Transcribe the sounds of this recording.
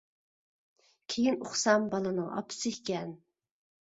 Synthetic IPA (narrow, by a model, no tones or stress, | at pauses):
kʲʰejinoχsɑmbɑlˠɨnɨʔɑ̰pʰʊ̥sɪhkʲɛn